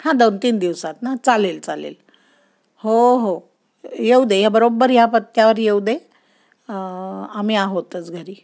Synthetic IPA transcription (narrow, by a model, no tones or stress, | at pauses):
hãd̪ont̪iːnd̪iʋsat̪nat͡salelt͡salḛl | hoɦo | jeud̪ejabəɾobːəɾjapət̪ːjaʋəɾjewd̪e | amiːaɦot̪ət͡sɡʱəɾiː